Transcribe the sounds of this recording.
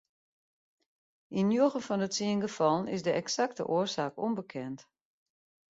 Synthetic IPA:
ʔinjoɣənfɔndətsiənɡəfɔlˠənɪsdəʔɛksaktə̰ʔoərsaːkombəkʰɛnt

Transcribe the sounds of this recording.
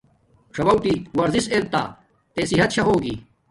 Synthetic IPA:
ʈ͡ʂʰɐbɐwʈ̪iwɐɾzisel̚t̪a̰ː | t̪eːsiɦɐt̪̚ɕʰɐɦoːɡḭ

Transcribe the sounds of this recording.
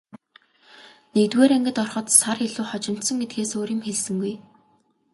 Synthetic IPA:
nekt̪weːɾeŋɡɘ̆t̪ɔrχɞ̆t̪sareɮuːχɔt͡ɕɪ̆m̥t̪sɞ̆ŋɡet̪̚ɡeːsoːɾiːmxeɮsɘ̆ŋɡuj

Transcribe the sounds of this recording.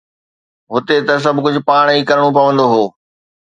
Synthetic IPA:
ɦʊt̪et̪ɐs̬ɐbʱkʊd͡ʑʱʊ̆paːɽ̃ikɐɾəɽ̃opɐʋə̃nd̪oɦoː

